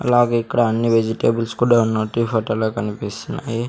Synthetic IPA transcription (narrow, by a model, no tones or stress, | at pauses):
ɐ̰laːɡeːikːɐɽaɐnːiʋed͡ʒiʈeːbɐlskuːɽaunːoːʈːifʰoʈɐloːkɐnipisinaji